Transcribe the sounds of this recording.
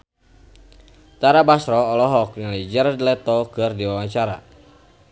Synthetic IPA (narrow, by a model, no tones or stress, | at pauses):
t̪aɾabasɾɔːlɔɦɔk̚nəlid͡ʒɛɾadlɛt̪ɔkɨrdiwawaɲt͡ʃaɾa̰